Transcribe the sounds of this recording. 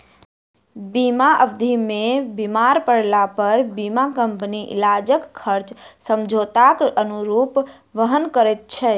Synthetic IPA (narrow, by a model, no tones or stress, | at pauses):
bimaʔəbd̪ʱimebimaɾpəɽ̤lapəɾbimakəmpniʔḭlad͡ʒəkːʰəɾt͡ʃsəmd͡ʒʱot̪akənuɾuːp | ʋəɦənkəɾɛt̪̚t͡ʃʰɛ